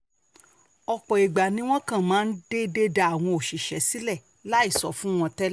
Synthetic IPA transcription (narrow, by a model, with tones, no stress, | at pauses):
ɔ˧k͡pɔ˨i˨ɡ͡ba˨nĩ˨˦w̃ɔ̃˦kã˦˨mãː˨˦n̩˦de˦de˦da˧˨a˨w̃ɔ̃˧o˨ʃi˨ʃɛ˨˦si˦lɛ˦˨ | la˦i˦˨sɔ̰˨˦fũ˦w̃ɔ̃˧tɛ˦l